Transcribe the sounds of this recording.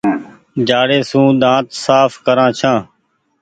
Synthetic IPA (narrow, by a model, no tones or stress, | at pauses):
d͡ʒaːɽeːsũːɗ̪ãːt̪saːfkəɾãːt͡ʃʰãː